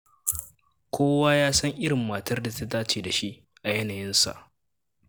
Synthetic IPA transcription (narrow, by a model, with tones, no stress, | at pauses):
kʷʰoː˦waː˦jaː˦sɐ˦ŋʔɪ˦ɽɪ˨mːaː˨tɐ˦rda˨ta˦taː˦t͡ʃeː˨da˨ʃi˦ʔ | ʔa˨jɐ˦na˨jɪ˦nsa̰˨ʔ